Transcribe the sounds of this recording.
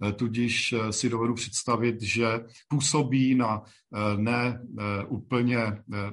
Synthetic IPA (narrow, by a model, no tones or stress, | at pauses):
t̪uɟɪʃsɪdovɛdupr̥ɛ̥t̪st̪avɪt̪ʒɛ | puːsobiːna | nɛʔuːpl̩ɲɛ